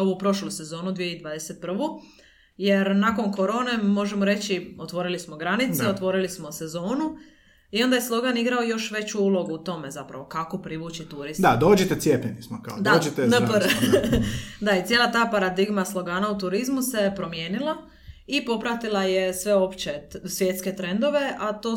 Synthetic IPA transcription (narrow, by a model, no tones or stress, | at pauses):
o̞ʋupɾo̞ʃluse̞zo̞ːnud̪ʋijeid̪ʋad̪eset̪̚pr̩ʋu | je̞ɾnako̞nko̞ɾo̞ːne̞mo̞ʒemoɾe̞t͡ɕiot̪ʋo̞ɾilismo̞ɡɾanit̪eot̪ʋo̞ɾilismo̞se̞zo̞ːnu | io̞nd̪ajeslˠo̞ɡaniɡɾaojo̞ʃʋe̞t͡ɕuulˠo̞ɡuːt̪o̞me̞zapɾa̰ʋokakopɾiʋuːt͡ɕit̪uɾisd̪ad̪oːd͡ʒet̪et̪sjepʎenismoka̰d̪aet̪nap | d̪ait̪sjeːlˠat̪aːpaɾad̪iɡmaslˠo̞ɡaːnaut̪uɾizmuse̞pɾo̞mje̞ːnilˠa | ipo̞pɾat̪ilˠajesʋeo̞pt͡ɕesʋje̞ːt̪ske̞t̪ɾe̞nd̪o̞ʋe̞ʔat̪oː